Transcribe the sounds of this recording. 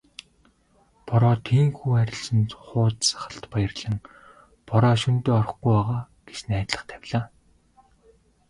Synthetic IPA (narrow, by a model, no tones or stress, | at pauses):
pɔɾɔːt̪ʰiːŋxuːæɾʲɪ̆ɮsə̆nt̪χʊːt̪t͡sḁχə̆ɬt̪pajə̆rɮə̆ŋ | pɔɾɔːʃunt̪eːɔr̆χɡujaːʁaː | ɡ̥et͡ɕnæːt̪ɮə̆χt̪ʰæwʲɮaː